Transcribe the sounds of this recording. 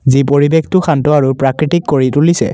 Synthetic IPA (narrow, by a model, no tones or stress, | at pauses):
zipoɹibextʊxʰantɔaɹupɹakɹitikːoɹitulisɛ̰